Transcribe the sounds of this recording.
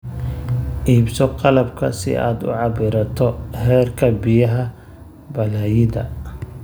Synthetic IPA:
ʔiːbsɔqɑlɐbkʰɐsɪ̰ʔa̰ːd̪ʊ̰ʕɑbɪɾɐt̪ʰɔhɛːrkʰɐbɪjɐɦɐ | bɐlajɪðɐ

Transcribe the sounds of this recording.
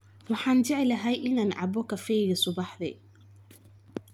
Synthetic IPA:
wɑħɑːnd͡ʒɪʕɪlɐɦɛjʔɪnaːnʕɑ̰bɔkʰɐfɛjɣɐsʊbɑħðɛ̰

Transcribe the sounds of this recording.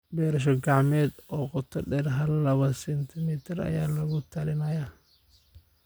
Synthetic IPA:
bɛːɾɐʃ̬ɔɡɑʕmɛːd̪ɔːqʊt̪ʰɐɖɛːɾɦɐllɐβɐsɛnt̪ʰɪmiːt̪ʰɪrɐ̰jaːlɐɣʊt̪ʰɐlɪnɐjaː

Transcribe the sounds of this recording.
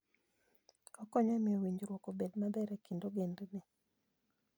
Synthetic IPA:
ɔkɔɲamɪowiɲd͡ʒɾwokobedmabɛɾɛkindoɡendnɪ

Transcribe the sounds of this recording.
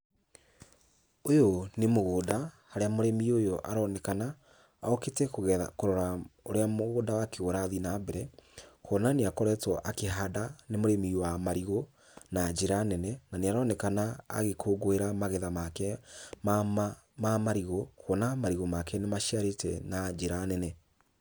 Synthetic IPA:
ojonemoɣoːda | haɾeamoɾɛmiojoʔaɾɔnɛkana̰ː | oketɛkoɣɛkoɾɔɾaoɾeamoɣoːdawakʰeoɾaðinabɛɾɛkɔnaneakɔɾɛtwɔʔakeɦadanemoɾemiwamaɾiɣo | nad͡ʒeɾanɛnɛnaneaɾɔnɛkanaa̰ɣekʰoɡoeɾamaɣɛðamakɛma | mamaɾiɣokɔnamaɾiɣɔmakɛnemaʃiaɾetɛ̰nad͡ʒeɾanɛnɛ

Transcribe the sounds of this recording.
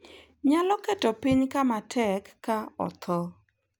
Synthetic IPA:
ɲalɔkɛtɔpiɲkamatʰɛkːaɔ̰t̪ʰɔ

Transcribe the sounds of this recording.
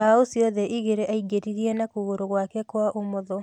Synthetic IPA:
aosjɔðɛʔiɣeɾeʔaiɡeɾiɾiɛnakuɣoɾoɣwakɛkwaʔomoðɔ

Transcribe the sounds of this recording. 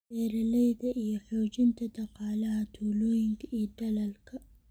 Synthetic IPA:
ɛːɾɐlɛjðɐʔijɔħoːt͡ʃɪnt̪ʰɐd̪ɑqɑːlɐɦɐt̪ʰuːlɔːjɪŋkʰɐʔijd̪ɐlɐlkʰɐ

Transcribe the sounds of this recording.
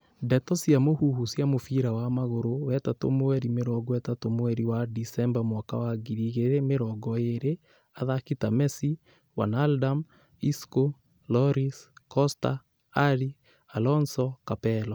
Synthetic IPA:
dɛtɔsjamohuhusjamofiɾawamaɣoɾowɛtato̰moɛɾimeɾɔɡɔwɛtatomoɛɾiwadisɛmbamwakawaɡiɾiɣeɾemeɾɔɡɔeɾe | aðakitamɛsi | wa̰naldam | isko | lɔɾiskɔsta̰ː | ɾi | alɔnsɔkapɛlɔ

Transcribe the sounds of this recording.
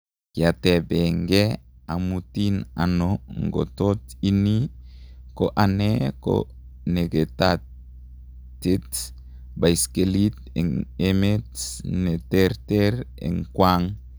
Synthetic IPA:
kiatɛbɛŋɡeamutina̰noŋɡo̰totini | koʔaneko̰ | neɡeta | tet | baiskelit̪̚ | ɛ̰ŋemetneteɾteɾḛŋkwaŋ

